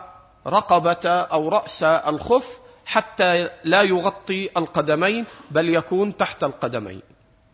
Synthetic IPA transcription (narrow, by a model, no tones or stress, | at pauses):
ɾˤɑqɑbaʔawɾˤɑʔsʔalxʊf | ħat̪ːalaːjʊɣɑt̪ˤːiʔalqɑd̪amajnbaljakuːnt̪aħt̪alqɑd̪ama̰jn